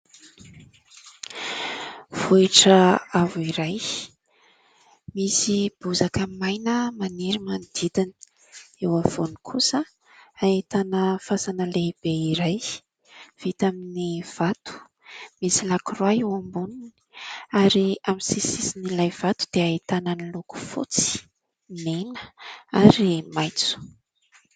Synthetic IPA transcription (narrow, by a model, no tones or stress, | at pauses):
v̥uiʈ͡ʂəavuiɾaj | misib̥uzakamajnəmaniɾimand̪id̪ini̥ | ewav̥onikʰusə | ait̪anəfasanəleb̥eiɾaj | v̥it̪aminiv̥at̪u̥ | misilakurwaewambunini̥aɾiamisisisinilajv̥at̪u̥d̪̥eait̪anəniluku̥fṵt͡si̥ | nenə̥aɾemajt͡su̥